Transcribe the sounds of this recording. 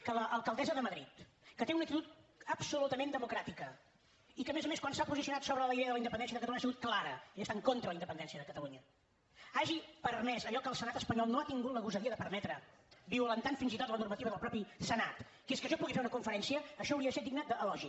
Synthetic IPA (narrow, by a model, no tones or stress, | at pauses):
kələʔːlˠkəlˠd̪ɛzəðəməðɾit̪ | kət̪eunəkt̪it̪ut̪əpsulut̪əmend̪əmukɾat̪ikə | ikəmezəmeskwansapuzisiunat̪soβɾəðələiðɛəðələind̪əpənd̪ɛnsiəðəkət̪luɲasiɣut̪̚klaɾəiəst̪aŋkont̪ɾələind̪əpənd̪ɛnsiəðəkət̪əluɲə | aʒipərmɛzəʎɔkəlˠsənat̪əspəɲɔlˠnoat̪iŋɡut̪ləɣuzəðiəðəpərnɛt̪ɾə | biwlənt̪anfinzit̪ot̪lənurmət̪iβəðəlˠpɾɔpisənat̪ | keskəʃɔpuɣifeunəkuɱfəɾɛnsiəːʃɔːwɾiəəsed̪iɡnəd̪əːlɔʒi